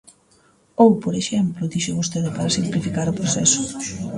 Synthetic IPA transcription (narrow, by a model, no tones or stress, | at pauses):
owpoɾeʃɛmplʊðiʃeβost̪eðɪpaɾɐsimplifikaɾʊpɾosɛ̰sʊ